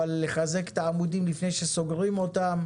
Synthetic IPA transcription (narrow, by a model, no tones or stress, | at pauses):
alːeχaze̞kt̪aamud̪imlifne̞jʃe̞so̞ɡʁimo̞t̪am